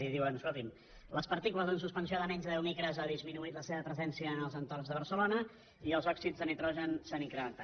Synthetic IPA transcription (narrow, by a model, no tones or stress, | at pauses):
iðiwənskolˠt̪im | ləspəɾt̪ikuləzəns̬uspənsiaðəmɛɲzðəðɛwmikɾəzaðizminuit̪ləseβəpɾəzɛnsiəːnəlˠzənt̪ornzðəβ̞əɾsəlonə | iəlˠzɔksid͡zðənit̪ɾɔʒənsaniŋkɾəmənt̪a